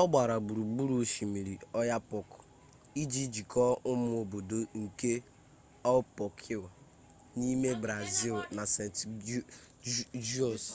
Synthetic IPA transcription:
ɔ˦ɡ͡ba˨ɾa˨bu˨ɾu˨bu˦ɾu˦ʃi˨mi˨ɾi˨ɔ˦ja˦pɔ˨kʊ̥˨ | i˦d͡ʒi˦d͡ʒi˨kʰɔ˦ʊ˦mʊ˦o˨bo˨do˨ŋ̩˨ke˦ | ɔ˦pɔ˨kʰi˦˨wa˨ | ni˦me˦bɾa˨zi˦lna˨se˨nt | d͡ʒu˦ɔ˨s

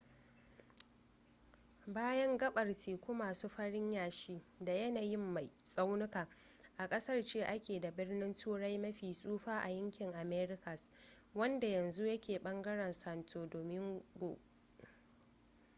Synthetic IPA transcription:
baː˦jɐ˦ŋɡɐ˦ɓɐ˨rtʰiː˨kʷʊ˦maː˨su˦ɸɐ˦ɽɪ˦ɲjaː˨ʃi˦da˨jɐ˦naː˨jɪ˦mːa˨jsʼa˦wnʊ˦kaː˨ | ʔa˨kʼɐ˦sɐ˦rt͡ʃeː˦ʔa˦kʲeː˨da˨bɪ˦rnɪ˦ntʰuː˦ɽa˦jmɐ˦ɸiː˨sʼuː˦ɸaː˦ʔa̰˨jɐ˦ŋkʲɪ˨ŋʔa˨meː˦ɾɪ˦kɐ˨s | wɐ˦nda˨jɐ˨nzu˦jɐ˦kʲeː˨ɓɐ˦ŋɡɐ˦ɽɐ˨nsɐ˨ntʰoː˨doː˨mɪ˦ŋɡo˨

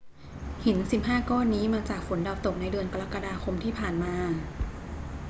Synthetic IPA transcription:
hi˩˦nsi˨˩p̚ɦaː˥˩kɔː˥˩nːiː˦˥maː˧t͡ɕaː˨˩k̚fo˩˦nda˧wt̪o˨˩k̚na˧jdɯ˧ənka˧ɾa˦˥kːa˧daː˧kʰo˧mt̪ʰiː˥˩pʰaː˨˩nmaː˧

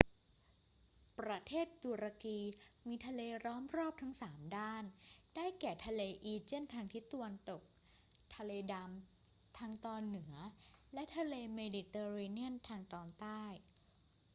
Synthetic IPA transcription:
pɾa˧t̪ʰeː˥˩t̪ːu˧ɾa˧kiː˧miː˧t̪ʰa˧leː˧ɾɔː˦˥mɾɔː˥˩p̚t̪ʰa˦˥ŋsaː˩˦mdaː˥˩nd̥aː˥˩jkɛː˨˩t̪ʰa˧leː˧ʔiː˧t͡ɕe˥˩˨nt̪ʰaː˧ŋt̪ʰi˦˥t̪a˧wa˧nt̪o˨˩k̚ | t̪ʰa˧leː˧da˧m | t̪ʰaː˧ŋt̪ɔː˧nːɯ˩˦ɐlɛ˦˥t̪ʰa˧leː˧meː˧di˨˧t̪eː˧ɾeː˧ni˦˥ənt̪ʰaː˧ŋt̪ɔː˧nt̪aː˥˩j

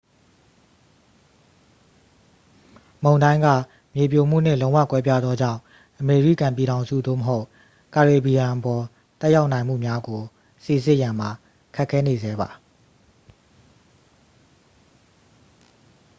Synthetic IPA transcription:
mõ˨ʊ̃ndã˦ɪ̃ŋɡä̰˦˨ | mje˨p̬jo˨m̥ṵ˦˨n̥ɪ̰̃˦˨lõ˦ʊ̃wa̰˦˨kwɛ˦p̬ja˦d̪ðɔ˦d͡ʑã̰˦˨ | ʔəme˨ɹi˦˨kã˨mp̬i˨ɾã˨ʊ̃nzṵ˦˨d̪o̰˦˨məɦo˦ʊʔ | ka˨ɹe˨bi˨jã˨ʔəpɔ˨ | t̪ɛ˦ʔja˦ʊʔnã˨ɪ̃m̥ṵ˦˨mja˦ɡo˨ | se˨zɪ˦˨ʔjã˨m̥a˨ | kʰɛ˦ʔkʰːɛ˦ne˨zɛ˨˦ba˨

